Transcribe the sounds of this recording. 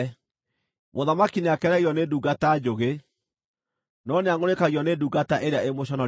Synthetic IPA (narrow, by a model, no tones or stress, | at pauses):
moðamakineakɛɾɛɣiɔneduːɡatad͡ʑoɣe | nɔneaŋɡoɾekaɣiɔneduːɡataʔeɾeaemoɕ̬ɔnɔ